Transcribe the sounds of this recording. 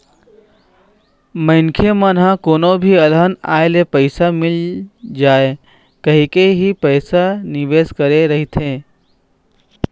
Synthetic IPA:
məɪnkʰemənɦãkoːnobʱiəlɦəna̰ːelepəɪsamɪld͡ʒaːe | kəɦikeɦipəɪsanɪʋeːskəɾeɾəɦit̪ʰɦẽː

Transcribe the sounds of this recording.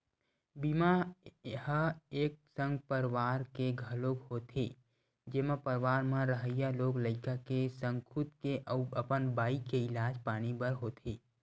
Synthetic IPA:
bimahəeːk̚sə̃ŋɡpəɾʋaːɾkeɡʱəloːkhoːt̪ʰeː | d͡ʒeːmãpəɾʋaːɾmãɾəɦəjaloːɡləɪkakesə̃ŋkʰut̪keʔəəpənbaːikeɪlaːd͡ʒpaːñibəɾɦoːt̪ʰeː

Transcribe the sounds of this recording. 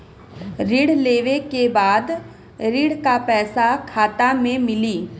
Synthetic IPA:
ɾɪɽleːʋekebaːd̪ | ɾiɽkapɛːsakʰaːt̪amẽmɪliː

